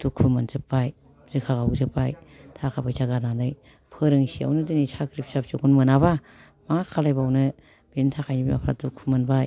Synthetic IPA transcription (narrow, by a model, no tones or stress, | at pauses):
d̥ukʰumɯnzɯpːaj | zɯkʰaɡazɯpajtʰakʰapajʰaɡananɯj | pʰɯɾɯŋsia̰wnɯdɯnisakɾip̚sap̚sɯkunmɯnaβa | maŋakʰalajbawnɯ | b̥entʰakʰajnibima̰pʰɾa̰tukʰːumɯnbaj